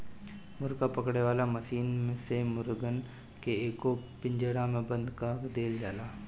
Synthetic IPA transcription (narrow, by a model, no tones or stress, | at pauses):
mʊɾkapəkɽeʋaːlaməʃiːnmẽsemʊɾɡən | keeːkopɪ̃ɲd͡ʒəɽãmẽbə̃nd̪kaːkd̪eːld͡ʒaːlaː